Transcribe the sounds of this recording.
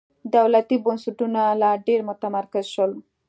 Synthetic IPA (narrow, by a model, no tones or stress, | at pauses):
d̪awlat̪ibɔnsuʈunaːlaɖeɾmɔt̪amaɾkɐzʃɔl